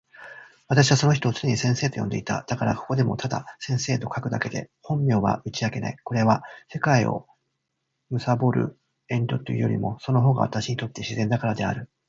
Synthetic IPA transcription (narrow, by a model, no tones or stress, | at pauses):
β̞at̪aɕiβaso̞no̞çi̥t̪o̞ːt͡sɨneɲisẽ̞ɰ̃se̞ːt̪o̞jõ̞nd̪e̞̰it̪a̰d̪̥akaɾako̞̥ko̞d̪e̞mo̞̰t̪ʰad̪a̰sẽ̞ɰ̃se̞ːt̪o̞kakɯ̟d̪ake̞d̪e̞̰hõ̞mmʲjo̞ːβa̰ɯ̟t͡ɕiake̞na̰iko̞ɾe̞βase̞kaio̞̰ | mɯ̟sabo̞ɾɯ̟̰ | ẽ̞nd̪o̞t̪ːo̰jɯ̟joɾʲḭmo̞so̞no̞ɦo̞ːɡa̰βa̰t̪aɕiɲ̟it̪o̞t̪ːe̞ɕizẽ̞nd̪akaɾad̪e̞a̰ɾɯ̟